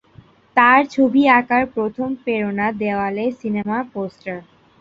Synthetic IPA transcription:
t̪aɾt͡ɕʰobiakaɾpɾot̪ʰompeɾonad̪eoalesinemaposʈaɾ

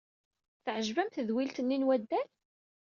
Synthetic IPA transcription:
θəʕəʒvæmθəðwilt̪ənːinwæd̪ːæl

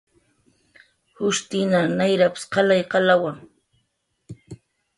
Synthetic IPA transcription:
hʊʃt̪ɪnanajɾapɪ̥sqɑlajqɑlawaŋ

